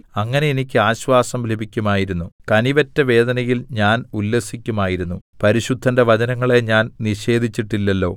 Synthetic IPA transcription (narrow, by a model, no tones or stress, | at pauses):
ɐŋːɐne̞jenikʲːɨaːɕʋaːsɐmlebʱikʲːumaːjiɾunːukɐniʋɐtːɐʋe̞ːd̪ɐnɐjilɲaːnulːɐsikʲːumaːjiɾunːupɐɾiɕud̪ʱːɐnde̞ʋɐd͡ʑɐnɐŋːɐɭe̞ɲaːnniɕe̞ːd̪ʱit͡ɕːiʈːilːɐlːo̞ː